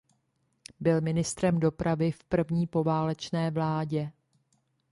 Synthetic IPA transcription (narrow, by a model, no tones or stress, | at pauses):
bɪlmɪnɪst̪ɾɛmdo̞pɾavɪfpr̩vɲiːpo̞vaːlɛt͡ʃnɛːvlaːɟɛ